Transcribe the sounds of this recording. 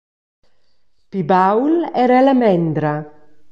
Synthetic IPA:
pibawlɛɾalamɛnd̪ɾa

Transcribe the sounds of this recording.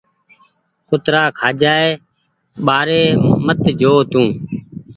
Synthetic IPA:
kʊt̪ɾaːkʰaːd͡ʒaːeː | ɓaːɾeːmət̪d͡ʒoːt̪ũː

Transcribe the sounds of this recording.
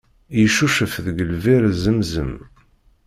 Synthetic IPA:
jəʃuʃəfðəɡəlviɾzəmzə̰m

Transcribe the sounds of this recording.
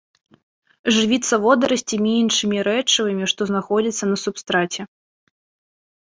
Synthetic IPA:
ʐɨvʲit̪sːɐvɔd̪ɐɾɐsʲt͡sʲimʲiinʂɨmʲiɾɛt͡ʂɨvɨmʲiʂt̪ɔznaxɔd͡zʲit̪sːɐnɐsupst̪ɾat͡sʲɛ

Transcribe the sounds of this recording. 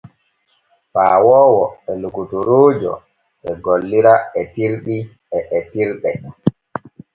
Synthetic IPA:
paːwɔːwɔɛlukutuɾoːd͡ʒɔ̰ | ʔɛɡolːiɾaɛtiɾɗi | ɛʔɛtiɾɗɛ

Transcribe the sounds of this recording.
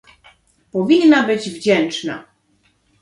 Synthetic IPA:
pɔvʲinːabɘd͡ʑvd͡ʑɛnt͡ʂna̰

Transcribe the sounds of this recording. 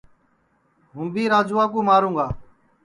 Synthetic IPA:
ɦʊ̃mbiːɾaːd͡ʒuːaːk̬ũːmaːɾũːɡaː

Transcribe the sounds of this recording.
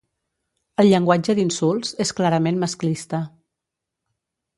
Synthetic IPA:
əlˠʎəŋɡwad͡ʒəd̪insulˠzesklaɾəmenməsklist̪ə

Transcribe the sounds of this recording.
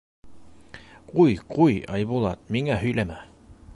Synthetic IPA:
qujqujɑ̰jβulˠɑt̪̚miŋæhɵ̆jlæmæ

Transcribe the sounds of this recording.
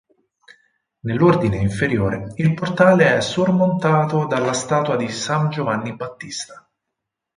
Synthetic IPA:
nelːord̪ineiɱfeɾjoːɾeilport̪aːleɛsːormont̪aːt̪od̪alːast̪aːt̪wad̪isand͡ʒovanːibat̪ːist̪ḁ

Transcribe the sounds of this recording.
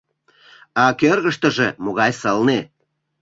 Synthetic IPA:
ɑkørɣəʃt̪ə̆ʒemoɣɑjsəlne

